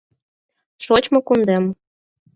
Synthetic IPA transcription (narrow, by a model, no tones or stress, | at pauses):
ʃot͡ɕmŏkund̪em